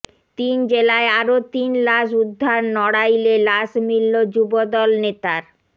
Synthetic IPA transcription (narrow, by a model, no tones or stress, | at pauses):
t̪ind͡ʑelaeaɾot̪inlaʃud̪ʱːaɾnɔɽajlelaʃmilːod͡ʑubod̪ɔlnet̪aɾ